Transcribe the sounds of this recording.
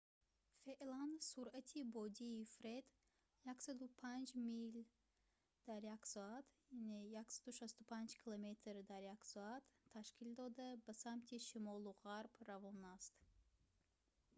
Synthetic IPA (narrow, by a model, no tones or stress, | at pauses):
feʔlansuɾat̪ʰibɔd̪iːfɾed̪ | jaksad̪upʰand͡ʒmil | d̪̥aɾjaksɔat̪ʰjanejaksad̪uʃast̪upʰand͡ʒkʰilomet̪ʰɾd̪aɾjaksɔat̪ʰːaʃkʰild̪ɔd̪abəsamt̪ʰiʃimɔluʁaɾbɾavɔnast̪